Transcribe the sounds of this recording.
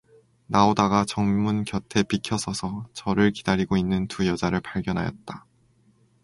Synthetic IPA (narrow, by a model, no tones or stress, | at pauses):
naodaɡat͡ɕʌŋmunkjʌtʰe̞pikʰjʌsʰʌsʰʌt͡ɕʌɾɯɭkidaɾiɡoinːɯntujʌd͡ʑaɾɯɭpaɭɡjʌnɦa̰jʌt̚t͈a